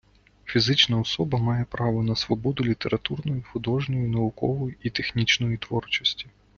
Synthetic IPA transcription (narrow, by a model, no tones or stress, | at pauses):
fʲizɪt͡ʃnɐɔsɔbɐmɑjɛpɾɑʋɔnɐsʋɔbɔd̪ʊlʲit̪e̞ɾɐt̪urnɔjixʊd̪ɔʒnɔjinɐʊkɔ̰ʋɔjiit̪exnʲit͡ʃnɔjit̪ʋɔrt͡ʃɔsʲtʲi̥